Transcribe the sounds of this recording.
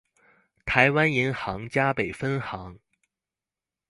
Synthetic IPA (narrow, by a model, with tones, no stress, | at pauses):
t̪ʰa˧˥ɪwa˥ni˧˥nxɑ˧˥ŋt͡ɕja˥pe˨˩ɪfə˥nxɑ˧˥ŋ